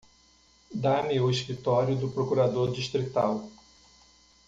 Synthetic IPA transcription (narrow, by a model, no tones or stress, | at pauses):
d̪amiʊiʃkɾit̪ɔɾjʊd̪ʊpɾokuɾad̪oɾd͡ʒiʃt̪ɾit̪aw